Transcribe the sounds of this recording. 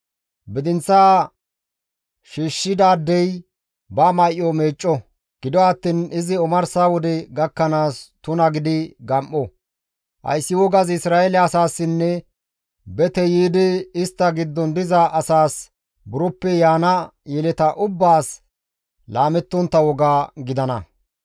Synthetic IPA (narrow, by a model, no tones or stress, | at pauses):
bɪd̪ɪnt͡sːaː | ʃiːʃːɪd̪aːd̪ːɛj | bɐmɐjʔɔmeːt͡ʃʼːɔ | ɡ̥ɪd̪ɔɐt̪ːiːnɪzɪɔmɐɾsaːwɔd̪ɛɡɐkːɐnaːst̪ʊnɐɡɪd̪ɪɡɐmʔɔ | hɐ̰jsːɪwɔɡɐzɪsɾaːɛlɛɐsaːsːɪnːɛ | bɛt̪ɛjiːd̪ɪɪst̪ːɐɡɪd̪ːɔnd̪ɪzɐʔɐsaːs | bʊɾɔpːɛjaːnɐjɛlɛt̪ɐʔʊbːaːs | laːmɛt̪ːɔnt̪ːɐwɔɡaːɡɪd̪ɐnɐ̰